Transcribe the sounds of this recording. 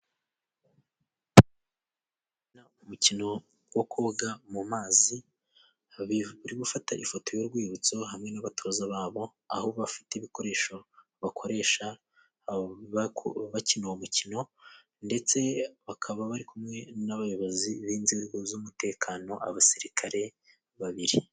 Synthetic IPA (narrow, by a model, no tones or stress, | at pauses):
na | umucino̞ | wokʰoːɡamumaːzi | βuɾiɡufataʔifo̞to̞jo̞ɾɡwiːβut͡so̞ɦamŋe̞naβatozaβaːβo̞ | a̰huβoβafi̥teβiko̞ɾe̞ːʃo̞ | βakʰo̞ɾe̞ːʃa | ββacinoumucino̞ | nde̞t͡se̞βakʰaβaβaɾikumŋe̞naβajo̞βoziβiːnzeːɡo̞zumute̞ːkʰano̞ʔa̰βasiɾikʰaɾe̞ | βaβiɾi